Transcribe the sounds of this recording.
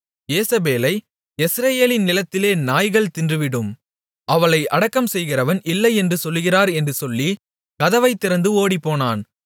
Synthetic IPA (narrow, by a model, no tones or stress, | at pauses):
jeːsɐbeːlɐɪ | ɛsɾɐjeːlɪnnɪlɐt̪ːɪleːnaːjɣɐɭt̪ɪndrɯʋɪɽɯm | ʔɐʋɐɭɐɪʔɐɽɐkːɐmsɛjɣɪrɐʋɐnɪlːɐɪɛndrɯsɔlːɯɣɪraːɾɛndrɯsɔlːi | kɐðɐʋɐɪt̪ːɪɾɐnd̪ɯoːɽipːoːnaːn